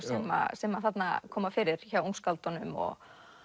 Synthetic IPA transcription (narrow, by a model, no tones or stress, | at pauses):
sɛma̰sɛmaθat̪na̰kʰɔːmafɪːɾɪɾ̥çawuŋskalt̪ɔnʏmɔ̰ɣ